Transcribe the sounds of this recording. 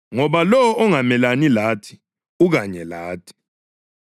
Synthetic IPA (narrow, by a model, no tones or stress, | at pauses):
ŋɔɓalɔwɔŋamɛlanilaːtʰi̥ | uk̬aɲɛlaːtʰi̥